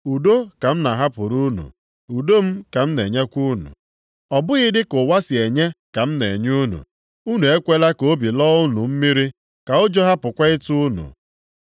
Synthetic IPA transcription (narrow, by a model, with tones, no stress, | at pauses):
u˨do˦ka˨m̩˦na˨ɦa˦pʊ˨ɾu˦nṵ˨ | u˨do˦m̩˦ka˨m̩˦ne˨ɲe˦kʷu˦nṵ˨ | ɔ˨bʊ˦ɣɪ˦dɪ˦kʊ˨wa˦sɪ˨e˨ɲe˦ka˨m̩˦nḛ˨ɲ˦u˦nṵ˨ | u˦nu˨e˦kʷe˦la˦ko˦bi˨lɔ˦ʊ˦nṵ˨m̩˦mi˦ɾi˦ | ka˨ʊ˦d͡ʒo˦ɦa˦pʊ˨kʷa˦ɪ˦tu˦nṵ˨